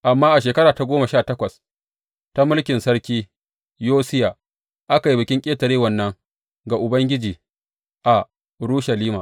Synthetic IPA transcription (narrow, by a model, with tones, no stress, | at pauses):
ʔa˨mːaː˦ʔa˨ʃ̬eː˨kɐ˦ɽaː˨ta˦ɡʷoː˦ma˨ʃaː˦˨tɐ˦kʷɐ˨s | ta˦mʊ˦lkʲɪ˨nsɐ˦ɾkʲiː˦ | joː˦sɪ˦ja˨ | ʔa˦ka˨ji˦bɪ˨kʲɪ˦ŋkʲʼeː˦tɐ˨ɾeː˦wɐ˨nːɐ˦ŋ | ɡa˨ʔʊ˨bɐ˦ŋɡʲɪ˦d͡ʒiː˨ | ʔa˨ | ɽuː˦ʃa˨liː˦maː˨